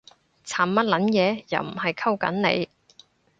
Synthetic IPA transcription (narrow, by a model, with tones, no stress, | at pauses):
t͡sʰaː˨˩mmɐ˥t̚lɐ˨˥njɛː˨˧jɐ̰˨˩wm̩˨˩hɐ˨jkʰɐ˥wkɐ̰˨˥nnḛ˨˧j